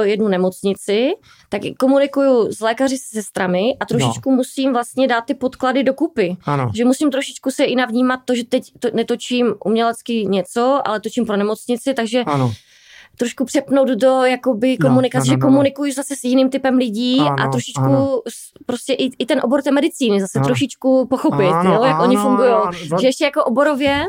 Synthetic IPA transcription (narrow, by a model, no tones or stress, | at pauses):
ojɛdnunɛmo̞t͡sɲɪt͡sɪ | t̪akko̞munɪkujuzlɛːkarɪsɛsɛst̪ɾamɪʔat̪ɾoʃɪt͡ʃkumusiːmvlast̪ɲɛdaːt̪̚ːɪpot̪kladɪdo̞kupɪaʒɛmusimt̪ɾoʃɪt͡ʃkusɛʔɪnavɲiːmat̪ːo̞ʒɛt̪ɛct̪onɛt̪o̞t͡ʃiːmʔṵmɲɛlɛt͡skɪɲɛt͡so̞ʔa̰lɛt̪ot͡ʃiːmpɾonɛmo̞t͡sɲɪt͡sɪt̪aɡʒɛ | t̪ɾoʃkupr̥ɛpno̞wd̪do̞jakobɪkomunɪkat͡sɛʒɛko̞munɪkujuzasɛsjɪniːmt̪ɪpɛmlɪɟiːa̰t̪ɾoʃɪt͡ʃkus | pɾoscɛʔɪɪt̪ɛnʔobo̞ɾt̪ɛːmɛdɪt͡siːnɪzasɛt̪ɾoʃɪt͡ʃkupoxo̞pɪt̪nɛjakʔoɲɪfuŋɡujowʒɛɛʃcɛjako̞ʔobo̞ɾovjɛ